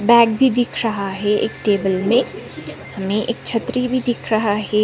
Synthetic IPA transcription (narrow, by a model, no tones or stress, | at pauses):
bɛːɡbʱid̪ɪkʰɾɐɦaɦɛḛːkʈeːbəlmẽ | hɐmẽʔeːk̚t͡ʃʰɐt̪ɾibʱid̪ɪkʰɾɐɦaɦɛ